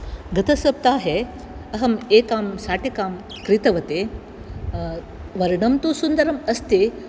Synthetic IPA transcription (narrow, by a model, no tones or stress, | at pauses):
ɡɐt̪ɐsɐp̚t̪aːɦe | ɐɦɐmeːkaːmsaːʈikaːm | kɾit̪ɐʋɐt̪eː | ʋɐɾɳɐmt̪usund̪ɐɾɐmɐst̪e